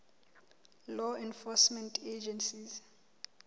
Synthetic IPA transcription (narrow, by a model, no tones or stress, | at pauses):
lɔɛ̃nfɔsmɛntʰed͡ʒɛnsiz